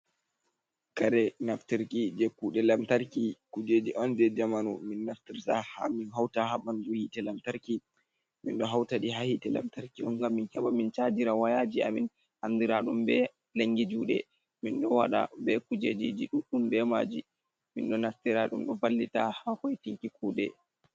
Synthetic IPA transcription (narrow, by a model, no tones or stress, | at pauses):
kaɾɛnaftiɾkid͡ʒɛkːuɗɛlamtaɾkikud͡ʒed͡ʒiʔɔnd͡ʒɛd͡ʒamanṵminːaftiɾtaha̰minɦawtahaɓanduhitɛlamtaɾki | mḭnɗɔɦawtaɗiɦahitɛla̰mtaɾkiɗɔŋɡamːinhɛɓamːint͡ʃad͡ʒiɾawajad͡ʒiamin | handiɾaɗumbɛ | laŋɡid͡ʒuɗɛ̰ | minɗɔwaɗa̰bɛkud͡ʒed͡ʒid͡ʒiɗuɗumbɛma̰d͡ʒi | minɗɔnaftiɾaɗṵmɗɔbalːitahahɔjtiŋkikuːɗɛ